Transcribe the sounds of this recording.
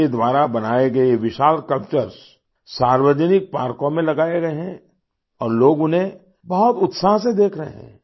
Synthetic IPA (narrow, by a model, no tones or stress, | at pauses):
ed̪ʋaːɾabɐnaːeɡɐeʋɪʃaːlkɐlpt͡ʃəɾs | saːɾʋəd͡ʒənɪk̚paːɾkõmẽlɐɡaːeɡɐeɦɛ̃ | ɔːɾloːɡʊnɦẽ | bɐɦɔt̪ʊt̪saːɦsed̪eːkʰɾɐɦḛɦɛ̰̃ː